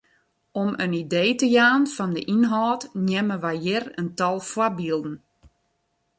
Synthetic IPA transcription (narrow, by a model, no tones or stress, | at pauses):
ɔmənideːtəjaːnfɔndəʔinɦɔːtnjɛməʋajjɪrəntɔlˠfwabiəlˠdn̩